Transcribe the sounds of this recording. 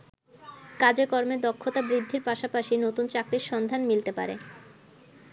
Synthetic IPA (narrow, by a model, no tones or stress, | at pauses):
kad͡ʑekɔɾmed̪ɔkʰːot̪abɾid̪ʱːiɾpaʃapaʃinot̪unt͡ɕakɾiɾʃɔnd̪ʱanmilt̪epa̰ɾḛ